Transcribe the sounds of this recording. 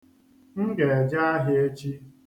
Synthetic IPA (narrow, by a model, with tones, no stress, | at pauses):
ŋ̩˦ɡe˨e˨d͡ʒa˦a˦ɦɪ˦e˦t͡ʃi˦